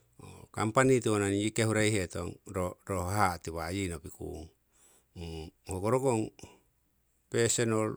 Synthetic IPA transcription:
o̰kampanituonaniikehuɾejɦeto̰ŋɾoɾohatiβajinopikṵŋ | hoɡoɾoɡoŋ | pesenol

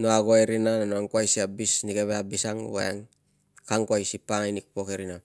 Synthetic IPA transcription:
noaɡoeɾinananoaŋkuajsiabisnikeβeabisaŋ̰ɡo̰aŋ | kaŋkwajsipaŋajnik̚pokeɾina

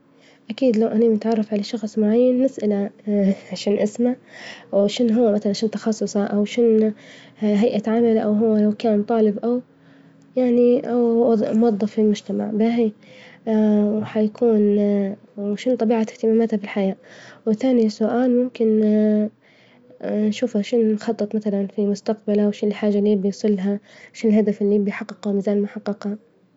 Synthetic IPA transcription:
ʔakiːd̪lawʔananɪt̪ʕɑrˤːɑfʕalaʃɑxsˤmʊʕajːanːɪsʔala | ʃaːnʔɪsmawʃɪnɦʊwːamaθalanʃɪnt̪ɑxɑsˤːʊsˤɑʔawʃɪn | ɦajʔat̪ʕamalaʔawɦʊwːalawkaːnmt̪ˤɑːlɪbʔaw | jaʕniʔawˤmʊwɑðˤːɑfːilmʊd͡ʒt̪ama̰ʕbahi | wħajakʰuːn | wʃʊnt̪ˤɑbiːʕat̪ɪht̪ɪmaːmaːt̪habɪlħajaːʔwɪθaːnisʊʔaːlmʊmkɪn | ʃuːfhaʃʊnːxɑt̪ˤːɨt̪ˤmaθalanfimʊst̪aq̚balawʃɪnɪlħaːʒːalːibɪjsˤɨlːɦaʃʊnɪlhad̪afɪlːibɪjħɑqːɪqmɪzaːlmʊħɑqːɪqha

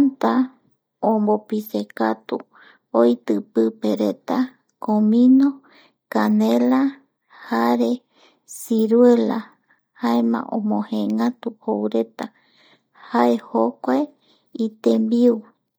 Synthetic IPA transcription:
ant̪a | õmbopisekat̪u | ojt̪ɨpɨpeɾet̪a | komĩnõ | kanela | haɾe̞ | siɾwe̞la̰ | haemã̰ʔõ̰mõhẽŋãt̪uhoɾe̞t̪a | haehokʷae | it̪embiu

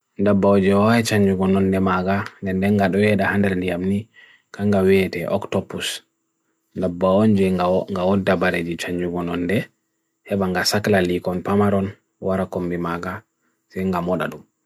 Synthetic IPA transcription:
ndabːaɔd͡ʒɛwajɛt͡ʃaɲd͡ʒuɡɔnɔndɛmaɡandɛndɛŋɡaɗɔwɛɗahandɛɾndijamni | kaŋɡawɛtɛʔɔ̰ktɔpus | ndabːaɔnd͡ʒɛaŋɡawɔdːabaɾed͡ʒit͡ʃaɲd͡ʒuɡɔnɔndɛ | hɛɓaŋɡasaklalikɔnpamaɾɔn | waɾakombimaɡa | sɛjŋɡamɔɗa̰ɗum

